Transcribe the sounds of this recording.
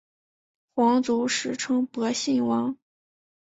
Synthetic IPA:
xwɑ˧˥ŋt͡su˧˥ʂɻ̩˧˥ʈ͡ʂʰɤ˥ŋpɤ˧˥ɕi˥˩nwɑ˧˥ŋ

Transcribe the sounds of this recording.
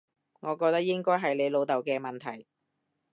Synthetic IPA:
ŋɔː˨˧kɔː˧k̚t̪ɐ˥k̚jɪ˥ŋkɔː˥jɦɐ˨jle˨˧jlo˨˧wt̪ɐ˨˩wkɛː˧mɐ˨nt̪ʰɐ˨˩j

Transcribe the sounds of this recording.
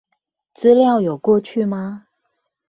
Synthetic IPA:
t͡sɹ̩˦ljɑ˥˨ʊjo˨˩ʊkwɔ˥˧t͡ɕʰy˥˩ma˧

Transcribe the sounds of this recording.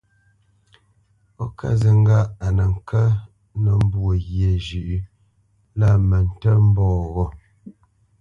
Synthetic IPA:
ɔ˦kʰa̰˦zə˨ŋ̩˦ɡa˦ʔa˨nə˨ŋ̩˨kə˦ | nə˨m̩˦bwo˨ɣje˨d͡ʒʉ˨ʔ | la˦˨mə˨n̩˨tə˦m̩˦bɔː˦˨ɣɔ˦˨

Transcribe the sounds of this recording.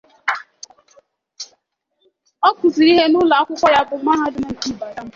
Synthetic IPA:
ɔ˦kʊ˨zi˨ɾi˦ɦe˦nʊ˦la˨a˦kʷʊ˦kʷɔ˦ja˦bʊ˨m̩˦ma˦ɦa˦dʊ˦mʊ˦ŋ̩˨ki˦˨ba˨ɾa˦m̩˦

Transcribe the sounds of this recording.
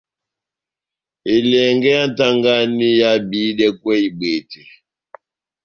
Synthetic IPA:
e˨lɛ˨ŋɡɛ˦ja˦n˦ta˦ŋɡa˦ni˦ja˦bi˨˦dɛ˦kwɛ˦i˨ɓe˨tɛ˨

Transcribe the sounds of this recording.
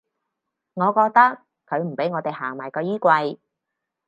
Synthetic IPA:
ŋɔː˨˧kɔː˧k̚t̪ɐ˥k̚ | kʰːɵ˨˧ɥm̩˨˩pe˨˥jŋɔː˨˧t̪e˨jhaː˨˩ŋmaː˨˩jkɔː˧jiː˥kʷɐ˧j

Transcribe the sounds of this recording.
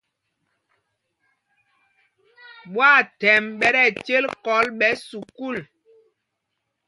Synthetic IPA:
ɓwa˦˨tɛ˨mɓɛ˦ɾɛ˦˨t͡ʃe˦lkɔ˨˦lɓɛ˨˦su˨ku˦˨l

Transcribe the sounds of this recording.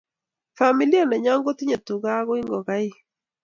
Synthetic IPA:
fa˨mi˨li˦a˦nɛ˨ɲa˦ŋɡo˦t̪i˦ɲa˨tu˨ɡa˦ɣɔ˦i˦ŋɡɔ˨ɣa˦i˦

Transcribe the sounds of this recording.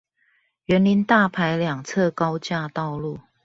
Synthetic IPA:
ɥɛ˧˦nli˧˦nt̪a˥˨pʰa˨˦ɪljɑ˨˩ŋt͡sʰɤ˥˨kɑ˥˦ʊt͡ɕja˥˧t̪ɑ˥˧ʊlu˥˨

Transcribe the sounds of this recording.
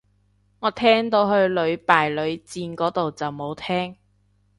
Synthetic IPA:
ŋɔː˨˧t̪ʰɛː˥ŋt̪o˨˧wɦɵ˧ɥlɵ˨˧ɥpaː˨˩jlɵ˨˧ɥt͡siː˧nkɔː˨˥t̪o˨wt͡sɐ˨wmo˨˧wt̪ʰɛː˥ŋ

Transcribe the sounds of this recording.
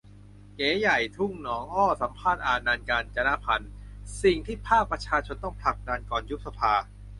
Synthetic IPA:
keː˩˦ja˨˩jt̪ʰu˥˩ŋnɔː˩˦ŋʔɔː˥˩sa˩˦mpʰaː˥˩t̪̚ʔaː˨˩naː˧nkaː˧nt͡ɕa˧na˦˥pʰa˧nsi˨˩ŋt̪ʰiː˥˩pʰaː˥˩k̚pɾa˧t͡ɕʰaː˧t͡ɕʰo˧nt̪ɔ˥˩ŋpʰla˨˩k̚daː˧nkɔː˨˩nju˦˥p̚sa˧pʰaː˧

